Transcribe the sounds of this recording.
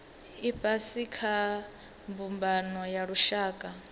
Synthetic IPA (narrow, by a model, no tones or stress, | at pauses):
ibʼasikʰa | mbumbanɔjaɺuʃaːkʼa